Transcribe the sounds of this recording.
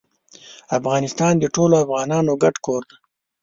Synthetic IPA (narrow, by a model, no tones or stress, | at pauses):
afɣɑnɪst̪ɑnd̪əʈoloafɣɑnɑnoɡaʈkoɾd̪a